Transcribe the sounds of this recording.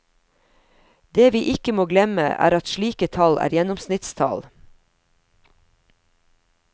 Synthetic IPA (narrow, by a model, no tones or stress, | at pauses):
d̪eːʋiːʔɪkəmoːɡlɛmə̰ʔæ̰ːɾɑt̪ʃɭiːkət̪ʰɑlæ̰ːɾjɛnɔmsnɪt̪st̪ʰɑ̰l